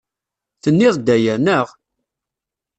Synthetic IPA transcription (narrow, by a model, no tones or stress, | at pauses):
θənːɪðˤd̪æjænəʁ